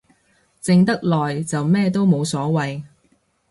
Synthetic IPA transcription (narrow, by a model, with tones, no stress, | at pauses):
t͡sɪ˧ŋt̪ɐ˥k̚lɔː˨˩jt͡sɐ˨wmɛː˥t̪̬o˥wmo˨˧wsɔː˨˥wɐ˨j